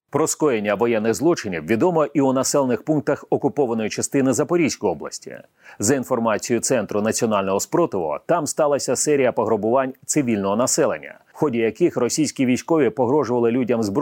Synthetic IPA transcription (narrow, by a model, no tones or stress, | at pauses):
pɾɔskɔjenʲːɐʋɔjɛnːɪɣzlˠɔt͡ʃɪnʲiwʋʲid̪ɔmɔʔiunɐsɛlˠenɪxpunk̚t̪ɐxɔkʊpɔʋɐnɔjʊt͡ʃɐst̪ɪnɪzɐpɔɾʲijsʲkɔjɔblˠɐ̰sʲtʲḭ | zɐinfɔrmɑt͡sʲijʊt̪sɛnt̪ɾʊnɐt͡sʲiɔnɑlʲnɔɦɔspɾɔt̪ɪʋɔ̰t̪ɑmst̪ɑlˠɐsʲɐsɛɾʲijɐpɔɦɾʊbʊʋɑnʲt̪sɪʋʲilʲnɔɦɔnɐsɛlˠḛnʲːɐ̰ | xɔdʲijɐkɪxrɔsʲijsʲkʲiʋʲijsʲkɔʋʲipɔɦɾɔʒʊʋɐlˠɪlʲudʲɐmzb